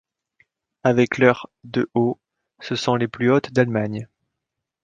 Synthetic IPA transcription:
avɛklœʁd̪əʔo | səsɔ̃leplyot̪d̪almaɲ

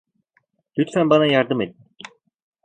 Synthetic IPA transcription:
d̪yt̪fænbɑnɑjɑɾd̪ɯmet̪̚ːɪ

